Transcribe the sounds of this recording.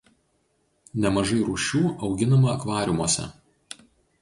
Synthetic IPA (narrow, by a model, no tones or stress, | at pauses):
nʲɛmɐʒɐɪɾuːʃʲuːʔɒʊɡʲɪnɐmɐːkʋɑːɾʲɪmuɔsʲɛ̰